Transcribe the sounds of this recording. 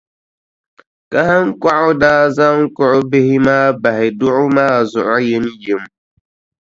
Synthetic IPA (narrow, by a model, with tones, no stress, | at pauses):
ka˦ha˦ŋ˦kʷa˦ʔʊ˦daː˦za˦ŋ̩˦kʊ˦ʔʊ˦bɪ˦hɪ˦maː˦ba˨hɪ˨dʊ˦ʔʊ˦maː˦˨zʊ˨ʔa˦jɛ˦n˦je˨˦m˦